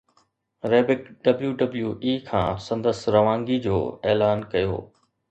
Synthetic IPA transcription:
ɾeːbɪkɖɐbljuɖɐbljuʔiːkʰã̰ːsɐ̃nd̪əsɾɐʋãːŋɡid͡ʑo̰ːeːlaːnkɐjo̰ː

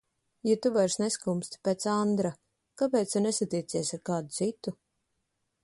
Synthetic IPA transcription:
jat̪uvaɾsneskumst̪ʲpeːt̪sand̪ɾa | kapɛːt̪sʲanɛsat̪iːt̪siɛsaɾkaːd̪ut̪sit̪u

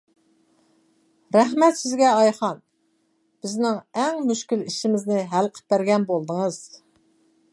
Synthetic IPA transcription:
ɾɛhmɛt̪sɪzɡʲɛɑjχɑn | b̥ɪznɪŋɛŋmyʃkʲiliʃimɪznɪɦælqʰə̥p̚bæɾɡʲɛnbolˠd̪əŋəz̥

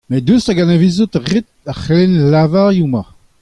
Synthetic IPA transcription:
med̪østaɡanevizut̪ʁit̪̚ | aχelɛnlavaʁjuma

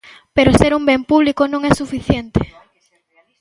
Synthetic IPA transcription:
peɾoseɾumbempuβlikonõŋɛsufiθjent̪e

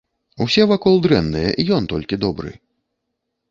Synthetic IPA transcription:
wsʲɛvakɔlˠd̪ɾɛnːɨjɛ̰ʔijɔnt̪ɔlʲkʲid̪ɔbɾɨ̰

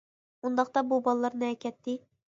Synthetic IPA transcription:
und̪ɑq̚t̪ɑbubɑlˠːɑɾnɨɛkʲɛt̪ːɪ

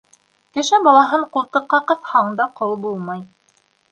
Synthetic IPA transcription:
kɘ̆ʃæbɑlˠɑɦɤɴqult̪ɤ̆qːɑqɤ̆θhɑɴd̪ɑqʰolˠbulˠmɑj

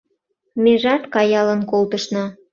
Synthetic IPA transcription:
meʒɑt̪kɑjɑlə̆nkolt̪əʃnɑ

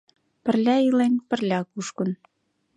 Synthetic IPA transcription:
pə̆rlʲæilenʲpə̆rlʲækuʃkə̆n

